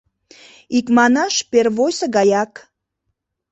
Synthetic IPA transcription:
ikmɑnɑʃperβojsəɡɑjɑk

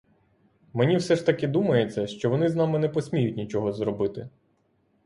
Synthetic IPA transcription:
menʲiwsɛʃt̪ɐkɪd̪umɐjet͡sʲːɐʃt͡ʃɔʋɔnɪznɑmɪnɛpɔsʲmʲijʊt̚ʲnʲit͡ʃɔɦɔzɾɔbɪt̪ɪ

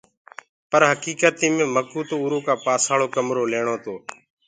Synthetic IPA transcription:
pəɾɦəkiːkət̪iːmẽːməkuːt̪oːuːɾoːkaːpaːsaːɭoːkəmɾoːleːɳoːt̪oː

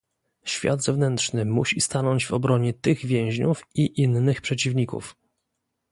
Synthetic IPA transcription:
ɕfʲja̰d̪zɛvnɛnt̪ʂnɘmuɕist̪anɔɲd͡ʑvɔbɾɔɲɛt̪ɘɣvʲjɛ̃w̃ʑɲufiʔinːɘxpʂɛt͡ɕivɲikṵf

